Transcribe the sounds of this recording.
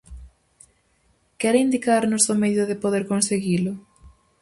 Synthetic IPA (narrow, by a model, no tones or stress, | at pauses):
kɛɾind̪ikaɾnʊsomeðʊðɪpoðeɾkonseɣilʊ